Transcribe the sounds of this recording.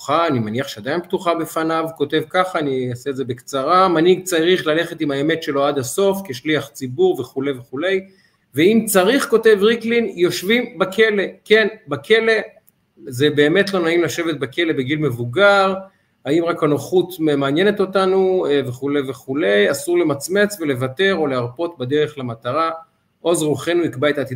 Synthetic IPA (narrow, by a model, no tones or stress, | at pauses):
u̥aanimaniaχʃead̪ainbt̪uχabe̞fanavko̞te̞vkaχaːniaseːdze̞bekt͡saʁamaniɡ̚t͡saʁiχlale̞χet̪imhaeme̞tʃe̞lo̞ad̪aso̞fkeʃliaχt͡sibuʁveχule̞jveχule̞j | veimt͡saʁiχko̞te̞vʁiklinjo̞ʃvimbakʰe̞le̞ke̞nbakʰe̞le̞ | ze̞be̞ːme̞t̪lo̞naimlaʃe̞vet̪̚bake̞le̞beɡilme̞vuɡaʁ | haimʁakanoχut̪memaːnje̞net̪o̞tanuveχule̞jveχule̞jasuʁle̞mat͡sme̞t͡sve̞le̞vate̞ʁo̞leaʁpo̞t̪bad̪e̞ʁe̞χlamat̪aʁa | ʔo̞zʁuχenuikbaet̪aːt̪i